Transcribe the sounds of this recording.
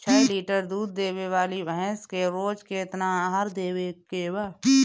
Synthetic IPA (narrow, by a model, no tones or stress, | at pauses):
t͡ʃʰɛːliːʈəɾd̪uːd̪̚ːeːwewaːlibəɦɛ̃skeɾoːd͡ʒket̪naɦəɾd̪eːwekebə